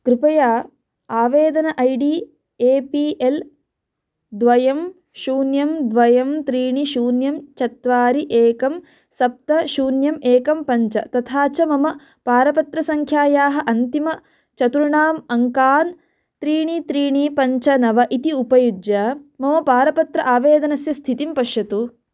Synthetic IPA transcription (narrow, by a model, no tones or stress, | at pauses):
kɾupɐjaː | aːʋeːd̪ɐnɐʔɐjɖi | eːpiʔel | d̪ʋɐjɐm | ʃuːnjɐmd̪ʋɐjɐmt̪ɾiːɳiʃuːnjɐmt͡ʃɐt̪ʋaːɾiʔeːkɐm | sɐp̚t̪ɐʃuːnjɐmeːkɐmpɐɲt͡ʃɐ̰t̪ɐt̪ʰaːt͡ʃɐmɐmɐ | paːɾɐpɐt̪ɾɐsɐŋkʰjaːjaːɦɐ̆ʔɐnt̪imɐ | t͡ʃɐt̪uɾɳaːmɐŋkaːn | t̪ɾiːɳit̪ɾiːɳipɐɲt͡ʃɐnɐʋɐʔit̪iupɐjud͡ʒjɐmɐmɐpaːɾɐpɐt̪ɾɐʔaːʋeːd̪ɐnɐsjɐst̪ʰit̪impɐʂjɐt̪u